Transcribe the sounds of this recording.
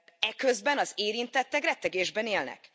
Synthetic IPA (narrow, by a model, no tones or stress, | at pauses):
ɛkøzbɛnɒzeːɾint̪ɛt̪ːɛɡrɛt̪ːɛɡeːʒbɛneːlnɛ̰k